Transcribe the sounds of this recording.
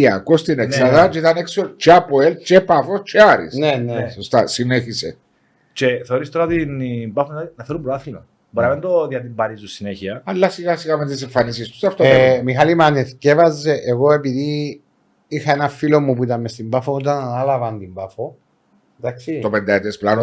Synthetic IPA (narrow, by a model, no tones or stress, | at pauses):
iɐkost̪ineksɐðɐt͡ʃeit̪ɐneksolt͡ʃeapoelt͡ʃepafost͡ʃeaɾḭsnenesost̪asineçise | t͡ʃeθeoɾist̪o̞ɾɐt̪inmbafoinɐθeɾumpɾoaθinon | bɐɾɐmend̪oðjɐt̪imbɐɾizusineçiɐɐlːɐsiɣasiɣɐmet̪isiɱfɐnisist̪u̥sɐft̪omixalimɐneθcevɐzːeʔeɣo̞e̞piði | ixɐenɐfilo̞mːupuit̪ɐmest̪imbafonot̪ɐnanɐlɐvɐnt̪imbafo | d̪aksit̪opend̪ɐet̪esplano